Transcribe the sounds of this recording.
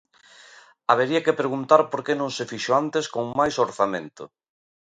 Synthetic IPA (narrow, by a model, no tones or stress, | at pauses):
aβeɾiakepɾeɣ̞unt̪aɾpoɾkenõŋsefiʃoant̪eskoŋmajsoɾθamẽnt̪ʊ̰